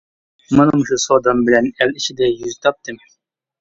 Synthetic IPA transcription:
mɨnɨmʃusod̪ɑmbɪlɛnɛlɪʃɪd̪ɛjyzt̪ʰɑp̚t̪ɨm

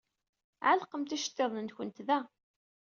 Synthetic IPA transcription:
ʕa̰lqəmt̪æʃə̥t̪ːeðˤnənçənt̪ðæ

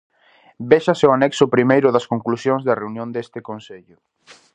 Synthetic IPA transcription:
beʃɐseʊanɛksʊpɾimejɾʊðɐskoŋklusjoŋzðɐreunjõnd̪est̪ɪkonseʎʊ

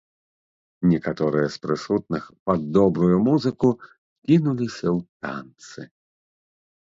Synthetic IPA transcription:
nʲɛkat̪ɔɾɨjɛspɾɨsut̪̚nɨxpɐd̪ːɔbɾujumuzɨku | kʲinulʲisʲɐwt̪a̰nt̪sɨ

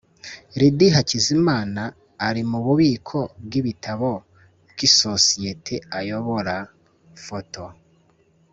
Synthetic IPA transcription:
ɾidiɦacizimaːnaː | ɾimuβuβiːkʰo̞b̚ɡiβitʰaβo | bɡiso̞sijetʰeajo̞βo̞ɾa | fotʰo̞

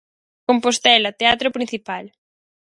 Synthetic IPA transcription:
kompost̪ɛlɐt̪eat̪ɾopɾin̟θipal

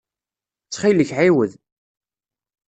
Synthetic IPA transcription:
t͡sːχiləçʕiwəð

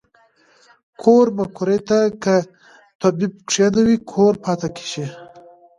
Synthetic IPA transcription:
kʰoɾmakʰuɾet̪aka | t̪abib̚kʂanawikʰoɾpʰɑːt̪akʰi̥ʃi

